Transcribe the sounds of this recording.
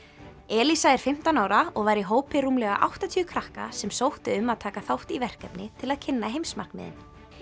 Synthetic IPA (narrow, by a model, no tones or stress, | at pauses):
ɛːlisaɛɾ̥fɪm̥t̪anaːwɾaɔɣvajɾiɦoːwpɪruːmlɛɣa̰ʔa̰wht̪at̪ʰyːʏkʰɾahka̰sɛmsowht̪ɪʏmːaðt̪ʰaːkaθawht̪ivɛr̥kɛpnɪt̪ʰɪlaðcʰɪnːaɦejmsma̰r̥knmɪ̰ːðɪ̰n